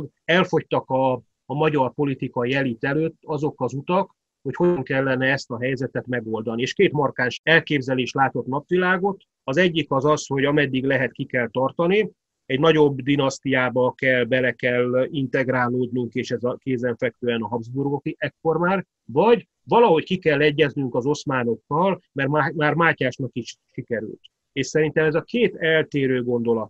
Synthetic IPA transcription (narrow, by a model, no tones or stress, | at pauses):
ɡ | ɛlfo̞ct̪ɒkɒː | mɒɟɒrpo̞lit̪ikɒjɛlit̪ɛløːt̪ːɒzo̞kɒzut̪ɒk | ho̞cho̞ŋkɛlːɛnɛɛst̪ɒɦɛjzɛt̪ɛt̪mɛɡo̞ld̪ɒnieːʃkeːt̪mɒrkaːnʃɛlkeːbzɛleːʃlaːt̪o̞t̪nɒpʋilaːɡo̞t̪ | ɒzɛɟːikɒzɒsho̞ɟɒmɛd̪ːiɡlɛɦɛt̪kikɛlt̪ɒrt̪ɒni | ɛɟnɒɟo̞bd̪inɒst̪ijaːbɒkɛlbɛlɛkɛlint̪ɛɡɾaːloːd̪nuŋkeːʃɛzɒkeːzɛɱfɛk̚t̪øːɛnɒɦɒbzburɡokiʔɛkːo̞rmaːr | vɒɟ | vɒlɒɦo̞ckikɛlːɛɟːɛznyŋkɒzo̞smaːno̞kːɒlmɛrmamaːrmaːcaːʃnɒkiʃʃikɛɾy̰lt̪ | eːʃsɛɾint̪ɛmɛzɒkeːt̪ɛlt̪eːɾøːɡo̞nd̪o̞lɒt̪